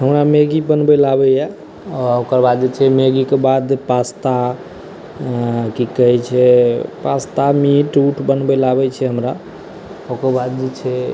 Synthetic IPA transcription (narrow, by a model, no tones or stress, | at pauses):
ɦəmɾameɡibənbɛlabɛjɛ | ɔokəɾbad̪̚d͡ʒet͡ʃʰɛmeɡikebad̪epast̪a | kikəɦɛt͡ʃʰɛpast̪amiʈuʈʰbənbɛlabɛt͡ʃʰɛɦəmɾa | okəɾbad̪̚d͡ʒet͡ʃʰɛ